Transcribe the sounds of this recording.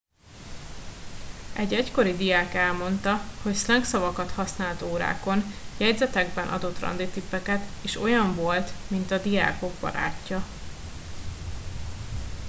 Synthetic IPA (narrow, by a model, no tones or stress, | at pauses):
ɛɟɛcko̞ɾid̪ijaːkɛlmo̞nt̪ɒho̞cslɛŋksɒvɒkɒt̪hɒsnaːlt̪oːɾa̰ːko̞njɛɟzɛt̪ɛɡbɛnʔɒ̰d̪o̞t̪ːrɒ̰nd̪it̪ipːɛkɛt̪eːʃo̞jɒɱvo̞lt̪mint̪ɒd̪ija̰ːko̞ɡbɒ̰ɾa̰ːcːɒ